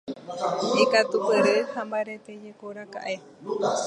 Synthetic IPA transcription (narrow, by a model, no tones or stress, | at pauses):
ekat̪upɨɾehambaɾet̪ed͡ʒekoɾaka̰ʔe̞